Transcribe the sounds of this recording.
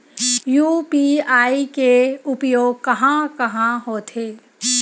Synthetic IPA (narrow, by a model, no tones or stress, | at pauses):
juːpiaːikeʊpjoːɡ̚kɐɦãkɐɦãɦoːt̪ʰeː